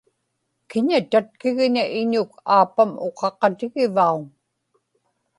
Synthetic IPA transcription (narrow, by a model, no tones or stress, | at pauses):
kɪɲat̪at̪̚kɪɣɲaʔɪɲʊkʰaːpamo̞qɑqɑt̪ɪɣɪvauŋ